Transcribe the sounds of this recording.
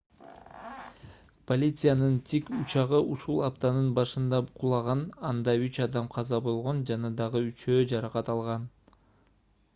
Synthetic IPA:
polʲit̪sɨjanɯnt̪ʰikut͡ʃɑʁɯʔuʃulˠɑpt̪ɑnɯnbɑʃɯnd̪ɑqʰulˠɑʁɑnɑnd̪ɑyt͡ʃɑd̪ɑmqʰɑzɑbo̞lˠʁo̞nd͡ʒɑnɑd̪ɑʁɯyt͡ʃø̞ːd͡ʒɑɾɑqɑt̪ɑlˠʁɑn

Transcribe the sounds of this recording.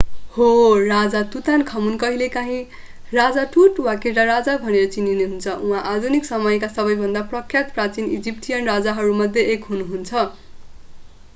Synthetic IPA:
horad͡zat̪ut̪ankʰʌmunkʌɦilekaɦĩ | rad͡zaʈuʈwakirʈaɾad͡zabʱʌneɾʌt͡sinineɦunt͡sʰʌʔũɦãʔad̪ʱuniksʌmʌjkasʌbʌjbʱʌnd̪aprʌkʰːjat̪prat͡sinḭd͡zipʈijʌnrad͡zaɦʌɾumʌd̪ʱjeʔekɦunuɦunt͡sʰʌ

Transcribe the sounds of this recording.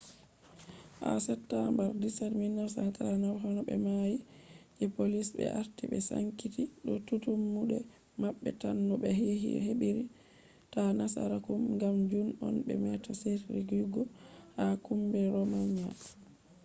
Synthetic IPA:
ʔa̰sɛtːambaɾdisadminaɾsantaanaɾɦɔnɔɓɛmajid͡ʒɛpolisbɛ̰ʔaɾtiɓɛsa̰ŋkitiɗɔtutumːuɗɛ | maɓːɛ̰tanːɔɓɛɦiɦḭheɓiɾi | tanasa̰ɾakumŋɡamd͡ʒunɔ̰nbɛ̰mɛtasetɾiɡɾiɡɔhakumbɛɾɔmaɲia̰

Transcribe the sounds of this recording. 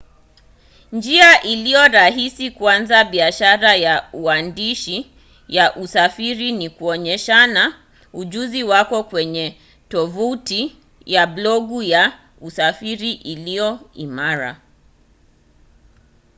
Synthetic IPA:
nd͡ʒiaʔilijɔɾaɦisikuanzaɓiaʃaɾajauandiʃi | jaʔusafiɾinikuɔɲɛʃana | uʄuziwakɔkwɛɲɛ | tɔvuti | jablɔɠuja | usafiɾiʔilijɔimaɾa̰

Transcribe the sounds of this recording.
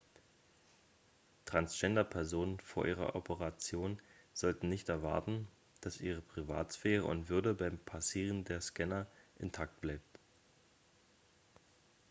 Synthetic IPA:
tʁ̥ansd͡ʒ̥ɛndɐpʰɛɐzoːnənfoːɐʔiːʁɐ̰ʔɔpəʁat͡sjoːnz̥ɔltn̩nɪçtɛɐva̰ɐtn̩ | d̥asʔiːʁ̞əpʁ̥iva̰ːtsfeːʁ̞əʊ̰ntv̥ʏɐdəbaɪmpʰasiːʁ̞əndeːɐskɛnɐʔɪntʰak̚t̚b̥laɪp̚t

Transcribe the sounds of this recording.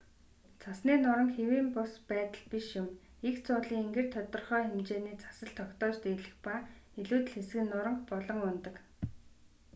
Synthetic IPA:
t͡sʰasniːnʊɾə̆ŋxewiːmpʊspæːt̪ə̆ɮpiʃjʊm | ikt͡sʰʊːɮiːŋeŋɡɘ̆r̥t̪ʰɔt̪ɞ̆rχœːemt͡ɕeːniːt͡sʰḁsə̆ɬt̪ʰɔkt̪ɔːt͡ɕt̪eɮɘ̆xpa | eɮuːt̪ɘ̆ɮxes̆ɡɘ̆nːʊɾə̆ŋχpɔɮɞ̆ŋʊnt̪ə̆k

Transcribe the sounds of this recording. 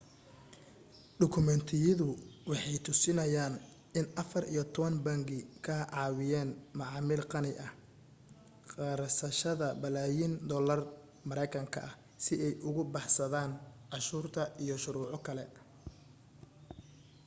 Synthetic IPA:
ɖʊkʰʊmɛnt̪ʰɪjɐðʊwɑħɑjt̪ʰʊsɪnɐjaːn | ɪnɐfɐrḭjɔt̪ʰɔβɐnbɐŋɡɪkʰɐɦʕɑːwɪjɛːnmɑʕɑːmɪlqɑnɪʔɐh | qɑːɾsɐʃɐðɐbɐlaːjind̪ɔːlɐr | mɐɾɛjkʰɐŋkʰɐ̰ʔɐ | sɪɛjʔʊɣʊbɑħsɐðaːnʕɑʃuːrt̪ʰɐʔijɔʃʊɾuːʕʊkʰɐlɛ

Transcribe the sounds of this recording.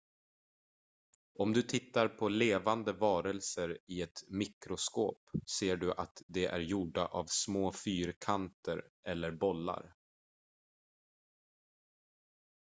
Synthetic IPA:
ɔmd̪ɵt̪ʰɪt̪ːaɾpʰɔleːvand̪əvɑːɾəlsəɾɪɛt̪mɪkɾʊskoːpseːɖɵʔat̪d̪ɛʔæ̰ɾjuːɖaʔavsmoːfyːɾkʰant̪əɾɛlːəɾbɔlːa̰ɾ

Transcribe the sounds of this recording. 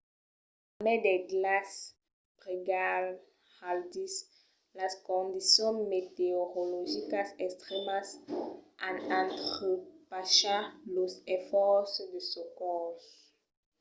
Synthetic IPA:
amɛd̪eɡlas | bʁiɡal | haldis | laskɔ̃nd̪isjɔ̃met̪eoʁoloʒikasɛkst̪ʁɛmasʔãnãnt̪χøpaʃalosefɔʁsd̪əsokɔs

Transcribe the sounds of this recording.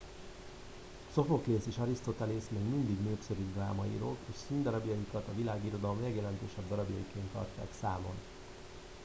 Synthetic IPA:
so̞fo̞kleːseːʃɒɾist̪o̞t̪ɛlesmeːɡmind̪iɡnøːpsø̞ɾyd̪raːmɒḭɾo̰ːleːʃsind̪ɒɾɒbjɒjikɒt̪ɒvilaːɡiːɾo̞d̪ɒlomlɛɡjɛlɛnt̪øːʃɛbd̪ɒɾɒbjɒjikeːnt̪ɒ̰rca̰ːksaːmo̞̰n

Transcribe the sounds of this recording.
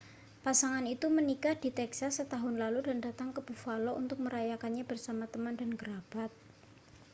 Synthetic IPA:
pasaŋanit̪umənikahd̥i̤t̪ɛksasːət̪aɦʊnlaludandat̪aŋkəb̥ufaloʔunt̪ʊk̚məɾajakanɲabərsamat̪əmandanɡəɾab̥at̪̚

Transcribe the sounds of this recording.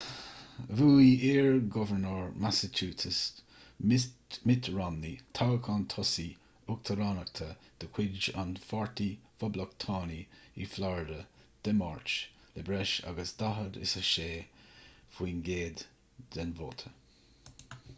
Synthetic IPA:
vuːiɪːɹɡɔvəɹnəːɹmasət͡ʃʰuːtʰəs | mɪt̪ʰɹanːit̪ʰawəkʰant̪ʰɔsi | ʊk̚t̪ʰəɾanək̚t̪ʰəd̪̥əkʰwɪd͡ʒa̰nfɔɹt̪ʰifɔbləkt̪ʰɑːniḭflɔɹɪd̪əd̪̥ɛmaɹt͡ʃlɛbɾɛʃa̰ɡəsd̪aɦəd̪ɪ̰səʃeː | fwiːnɡeːd̪ | d̥ɛnvo̰ːt̪ʰə

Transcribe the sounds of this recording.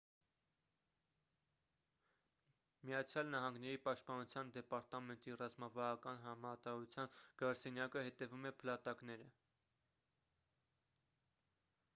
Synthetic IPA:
mijɑt͡sʰjɑlnɑɦɑŋɡnɛɾipɑʃt̪̚pɑnut͡sʰjɑnd̪ɛpɑɾt̪ɑmɛnt̪irɑzmɑvɑɾɑkɑnɦɑmɑt̪ɑut͡sʰjɑnɡ̥ɾɑɾsɛnjɑkəhɛt̪ɛvumɛpʰəlɑt̪ɑkn̪ɛɾə

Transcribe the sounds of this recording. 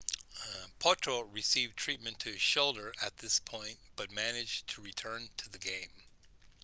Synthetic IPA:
pʰɔɹtʰɹ̥oɹisivtʰɹ̥it̚mɨ̃ntʰɨɨz̥ʃoʊlˠdə˞ʔɨt̪̚ðɪspʰɔ̃ɪ̃ntb̥ʌt̚mænɨd͡ʒtʰɨɹitʰɜ̃˞ntʰɨðɨɡẽɪ̃m

